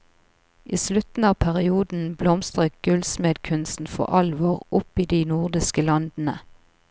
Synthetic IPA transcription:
ʔiːslʉt̪n̩ɑːʋpʰæʁɪuːd̪n̩blɔmst̪ʁəɡ̥ʉlsmeːd̪kʰʉnst̪n̩fɔ̰ʁʔɑlʋoːʁʊpiːd̪iːnʊʁd̪ɪskəlɑnd̪n̩ə

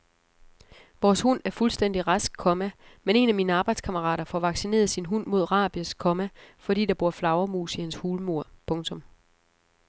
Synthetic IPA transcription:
ʋɒːshun̰æɐfulsd̥en̰d̥iʁɑ̈sɡ̥̚kʰɔ̽mæ | mene̝næmiːnəɑ̈ːb̥ɑ̈ɪd̥skʰɑ̈məʁɑ̰̈ːɾ̥ɐfɒʋɑ̈ɡ̥sine̝̰ːɐð̩ˠsinɦun̰mo̝ð̞̰ˠʁɑ̰̈ːb̥jəskʰɔ̽mæfɒ̽d̥ḭːd̥ɑb̥uɐ̰flɑ̈ʊɐmṵːsihænshuːlmo̝ɐ̰pʰɔ̽ŋt͡sʰɔ̽m

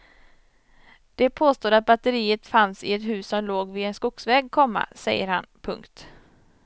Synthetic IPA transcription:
d̪̥ɛpʰoːst̪oːd̪at̪̚bat̪əɾiːət̪fansɪɛt̪hʉ̟ːsɔmloːɡvɪɛnskʊksvɛːɡkʰɔmːa̰sɛjːəɾha̰npʰɵ̰ŋkt̪

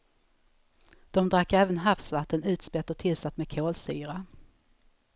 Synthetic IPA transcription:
d̪̥ɔmd̪ɾakːɛːvənɦafsvat̪ʰːənʉ̟ːt̪spɛt̪ːɔt̪ʰɪlsat̪ːmeːd̪̚kʰoːlsy̰ːɾa

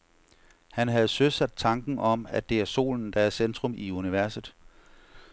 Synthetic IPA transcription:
hænɦæð̞̩ˠsøsæd̥̚t͡sʰɑ̈ŋɡ̥n̩ʔɒ̽mæd̥e̝æɐso̝̰ːln̩d̥ɑ̈æɐsend̥ʁɔ̽miuniʋæɐsð̩ˠ

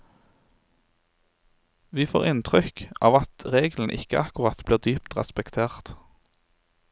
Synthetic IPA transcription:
ʋiːfo̰ːʁɪnt̪ʰʁʏkɑːʋɑt̪ʁeːɡl̩n̩ʔɪ̰kə̰ʔɑkʊʁɑt̪bliːʁd̪yːpt̪ʁɛ̰spɛkt̪ʰeːʁt̪

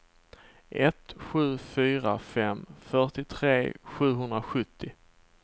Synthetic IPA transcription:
ʔɛt̪ɧʉ̟ːfyːɾafɛmfœʈɪt̪ʰɾeːɧʉ̟ːɦɵnd̪ɾaɧɵt̪ʰːɪ

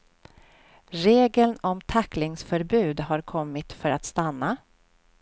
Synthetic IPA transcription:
ɾeːɡəlnɔmt̪ʰakːlɪŋsfœɾbʉ̟ːd̪ɦaɾkʰɔmːɪt̪fœɾat̪st̪anːa

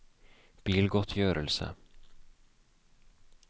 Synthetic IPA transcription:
b̥iːlɡɔt̪ʰːjøːɾəlsə̰

